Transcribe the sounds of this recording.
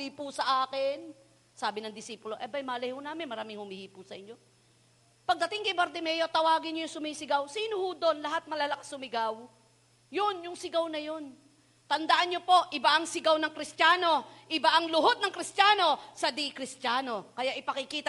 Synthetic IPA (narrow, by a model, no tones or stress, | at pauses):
iːpusɐʔaːkɪn | saːbɪnɐŋd̪ɪsiːpʊloʔɛbɐjmaːlɐjhʊnaːmɪnmɐɾaːmɪŋhʊmɪhiːpusɐʔɪɲːo̞ | pɐɡ̚d̪ɐt̪ɪŋkɐbɐɾd̪ɪmɛːjot̪ɐwaːɡɪnɲojʊŋsʊmiːsɪɡawsiːnohʊd̪o̞nlɐɦat̪̚mɐlɐlakḁsʊmɪɡaw | jonjʊŋsɪɡawnɐjo̞n | t̪ɐnd̪ɐʔanɲopo̞ʔʔɪbaʔɐŋsɪɡawnɐŋkɾɪst̪jaːno̞ʔɪbaʔɐŋlʊɦod̪̚nɐŋkɾɪst̪jaːno̞sɐd̪ikɾɪst̪jaːno̞kɐjaʔɪpɐkɪkiːt̪ɐ